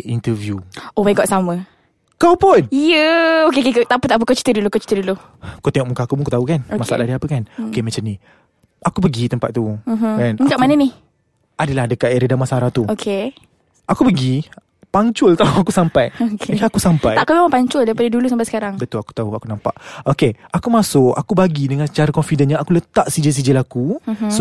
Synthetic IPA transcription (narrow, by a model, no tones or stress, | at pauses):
int̪əvjuobaiɡɔʔsamə | kawpʊnijəokekekət̪aput̪aʔpəkət͡ʃi̥t̪ədulukot͡ʃi̥t̪ədulu | kut̪eŋɔʔmukaakubukut̪aukanmaa̰ʔlʔadiapəkanookemət͡ʃamni | ʔakupəɡit̪əmpa̰ʔt̪um̩ɦ̩kanmikaʔmanənih | adəlahdəkaʔ̪eɾedamasaɾaht̪uokʰe | akupəɡi | paɲt͡ʃʊlt̪auakusampajokkaakusampaaj̪aʔakumemãŋpaɲt͡ʃʊldaɾipadədulusampasə̥kaɾaŋbət̪ʊlaku̥t̪auakunãmpa̰ʔokeʔakumasʊkakubaɡidəŋansət͡ʃaɾəkɔnfidənɲaakulət̪aʔsid͡ʒəs̬id͡ʒəlakus